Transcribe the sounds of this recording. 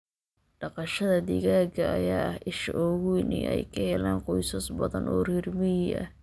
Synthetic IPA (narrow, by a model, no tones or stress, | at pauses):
ɖ̥ɑqɑʃɐðɐd̪ɪɣaːɡɐʔɐ̰jaːɐhɪʃʔɔːɣujnɪ̰ʔɛ̰jkʰɐhɛlaːnqɔjsɐsbɐðɐ̰nʔɔːrirmɪjʔɐ̰